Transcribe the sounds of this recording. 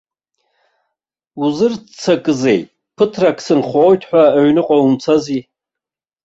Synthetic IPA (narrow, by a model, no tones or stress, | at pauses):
uzɨrt͡sʰakʼɨzejtʼ | pʰɨtʰrakʰsɨnχʷojtʰħʷᶣaaɥnɨqʷʼaumt͡sʰazi